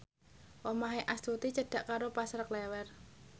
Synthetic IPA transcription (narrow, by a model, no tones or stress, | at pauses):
wɔmaɦeʔast̪ut̪it͡ʃəɖ̥a̤ʔkaɾopasɾəklɛwɛr